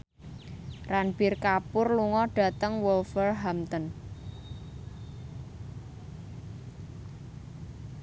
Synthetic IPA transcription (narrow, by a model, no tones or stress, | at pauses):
ranb̥ɪrkapʊrluŋɔɖ̥ä̤t̪əŋwɔlfərɦamt̪ən